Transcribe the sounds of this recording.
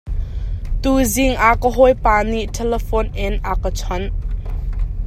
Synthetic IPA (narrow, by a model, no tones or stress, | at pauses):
t̪uzɪŋʔakəɦɔjpaːniʔtʰɛlɛfɔnʔɪnʔakət͡sʰɔn